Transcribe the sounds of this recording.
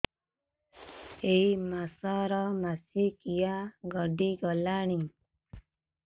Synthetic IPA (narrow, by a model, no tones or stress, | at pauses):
eimasɔɾɔmasikijaɡɔɖiɡɔlaɽ̃i